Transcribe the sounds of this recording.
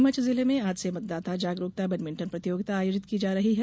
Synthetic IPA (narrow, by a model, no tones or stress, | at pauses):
mət͡ʃzɪlemẽaːd͡ʒsemɐt̪̚d̪aːt̪ad͡ʒaːɡɾoːk̚t̪abɐnmɪ̃ɳʈənpɾɐt̪ijoːɡt̪aːjoːd͡ʒɪt̪kid͡ʒaːɾɐɦiɦɛ